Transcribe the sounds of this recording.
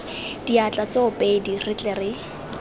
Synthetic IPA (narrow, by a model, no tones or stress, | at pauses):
d̥iat͡ɬʼat͡soʊpʼedirɪt͡ɬʼɛrɪ